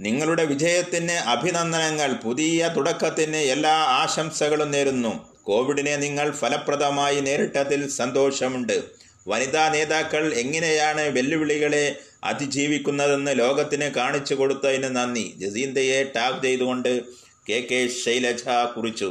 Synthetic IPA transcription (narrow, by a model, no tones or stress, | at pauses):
niŋːɐɭuɽe̞ʋid͡ʑɐjɐt̪ːineʔɐbʱinɐnd̪ɐnɐŋːɐɭpuðijɐt̪uɽɐkːɐt̪ːindeelːaːaːɕɐmsɐɣɐɭumneːɾunːu | ko̞ːʋiɽine̞niŋːɐɭfʰɐlɐprɐd̪ʱɐmaːjine̞ːɾiʈːɐt̪ːilsɐnd̪o̞ːʂɐmuɳɖɨ | ʋɐniðaːne̞ːðaːkːɐɭe̞ŋːɐnejaːɳɨʋe̞lːiʋiɭiɣɐɭe̞ | ɐ̰d̪ʱid͡ʑiːʋikʲːunːɐðe̞nːɨlo̞ːɡɐt̪ːinɨkaːɳit͡ɕːuko̞ɽut̪ːɐjinːɨnɐnːḭd͡ʑesiːnd̪ɐje̞ʈaːʋt͡ɕejt̪uɣo̞ɳɖɨ | ke̞ːkːeːɕɐjlɐt͡ɕʰakurit͡ɕːu